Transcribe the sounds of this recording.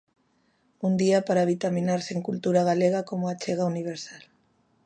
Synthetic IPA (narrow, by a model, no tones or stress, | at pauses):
und̪iapaɾaβ̞it̪aminaɾseŋkult̪uɾaɣ̞aleɣ̞akomʊat͡ʃeɣ̞auniβ̞eɾsal